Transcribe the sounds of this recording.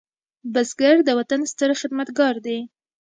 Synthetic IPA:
basɡaɾd̪əwat̪anst̪əɾxɪd̪mat̪ɡɑɾd̪e

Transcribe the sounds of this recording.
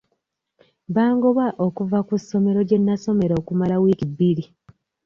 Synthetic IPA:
baːŋɡoβaʔokuvakuso̞me̞ɾo̞ɟe̞nːaso̞me̞ɾoːkumalawiːkibiɾi

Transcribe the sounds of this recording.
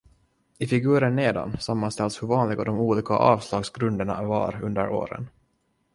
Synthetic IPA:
ɪfɪɡʉ̟ːɾəɳːeːd̪a̰nsamːanst̪ɛlt̪shɵɾvɑːnlɪɡad̪ɔmuːliːkaʔɑːvslɑːɡsɡɾɵnd̪əɳa̰va̰ɾɵnd̪əɾo̰ːɾə̰n

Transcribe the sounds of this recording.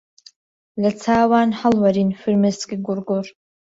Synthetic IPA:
lat͡sʰaːwanħalwaɾinfɨrmɨsɡʲʼiɡʷʊrɡor

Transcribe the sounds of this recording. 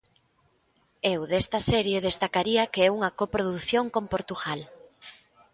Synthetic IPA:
ewðest̪ɐsɛɾjeðest̪akaɾiɐkeɛuŋɐkopɾoðuθjoŋkompoɾt̪uɣal

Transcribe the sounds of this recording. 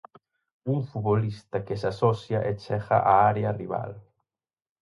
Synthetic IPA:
uɱfuβolist̪akesasɔsjaʔet͡ʃɛχa̰ʔaaɾeariβa̰l

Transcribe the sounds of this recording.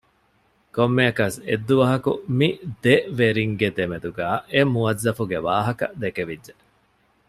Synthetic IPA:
komːeɐkɐsed̪ːuʋɐɦɐkṵmid̪eʋeɾiŋɡed̪emed̪uɡæːemuɐzːɐfuɡeʋaːɦɐkɐ̰d̪ekeʋidːʒe

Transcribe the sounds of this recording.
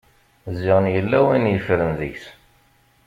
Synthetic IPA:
zːɪʁənjəlːæwænjəfɾənðə̰çs

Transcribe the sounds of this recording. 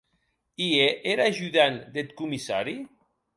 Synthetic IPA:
ieʔeɾaʒuðand̪et̪kumisaɾi

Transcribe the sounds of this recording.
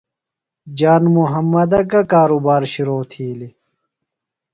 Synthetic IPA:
d͡ʑaːnmuɦɐmːɐd̪ɐkɐkaːɾubaːɾɕiɾoːt̪ʰiːli

